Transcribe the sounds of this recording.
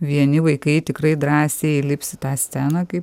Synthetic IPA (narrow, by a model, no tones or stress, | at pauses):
ʋʲiɛnʲɪʋɐɪkɐɪt̪ʲɪkɾɐɪd̪ɾɑːsʲeːilʲɪpʲsʲɪt̪ɑːsʲt͡sʲæːnɑːkɐɪp